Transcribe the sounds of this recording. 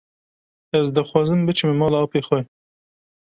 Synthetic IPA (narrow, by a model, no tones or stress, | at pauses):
ɛzd̪ɨxwɑːzɨmbɨt͡ʃʰɨmmɑːlɑːpeːxʷɛ